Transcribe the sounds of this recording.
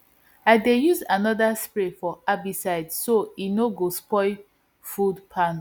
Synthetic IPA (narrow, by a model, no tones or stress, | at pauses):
aɪdejuzanɔdaspɹefɔabisaɪdsoinoɡospɔɪ | fudpʰãn